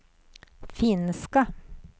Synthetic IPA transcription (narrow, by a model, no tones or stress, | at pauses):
fɪnskɑ